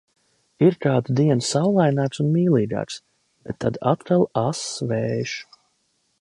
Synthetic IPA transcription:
iɾkaːd̪d̪iɛnsawlˠajnaːksunmiːlˠiːɡɑ̰ːks | b̥et̪ʰːad̪at̪kalˠasvɛːʃu̥

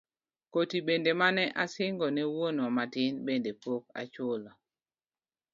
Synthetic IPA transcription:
kotibendemanɛʔasɪŋɡɔnɛwonwɔmatɪnbendepok̚a̰t͡ʃolɔ

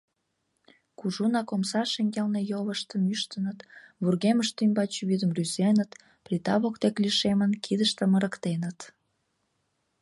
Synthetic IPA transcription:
kuʒunɑkomsɑʃeŋɡelnejoləʃt̪əmyʃt̪ənət̪βurɣeməʃt̪ymʲbɑt͡ɕβyd̪əmryzenət̪ | plit̪ɑβokt̪ekliʃemənkʰid̪əʃt̪ə̆məɾəkt̪enət̪

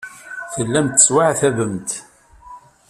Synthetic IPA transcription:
θəlːæmt̪ːə̥swaʕθævəmt̪

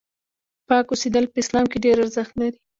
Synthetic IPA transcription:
pɑkused̪əlpəɪslɑmkeɖeɾaɾzəxt̪laɾi

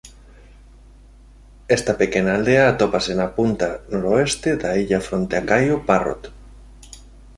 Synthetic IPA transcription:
est̪apekenaːld̪eaːt̪opasenapunt̪anoɾoest̪eðaiʎafɾont̪eakajoparo̰t̪

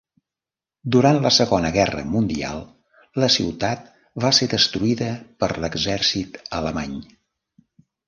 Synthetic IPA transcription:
d̪uɾant̪ləsəɣonəɣɛrə̰mund̪ia̰lˠ | ləsiwt̪at̪̚ | βaseðəst̪ɾuiðəpəɾləɡzɛrsit̪ələmaɲ

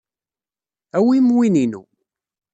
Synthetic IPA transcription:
æwimwininṵ

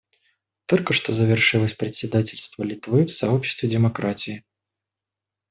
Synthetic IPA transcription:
t̪olʲkəʂt̪ozəvʲɪrʂɨlˠəsʲpɾʲɪt̪ʲsʲɪd̪atʲɪlʲst̪vəlʲɪt̪vɨfsaɔpɕɪ̥st̪vʲɪdʲɛmakɾat͡sʲijɪ

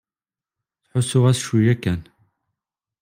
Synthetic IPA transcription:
sħʷʊsʊʁɐsʃujɐkʰɐn

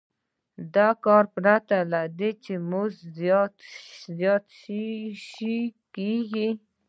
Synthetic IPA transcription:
d̪akɑɾpɾat̪alad̪et͡ʃemuzzt̪zjɑt̪ʃʃikeɡi

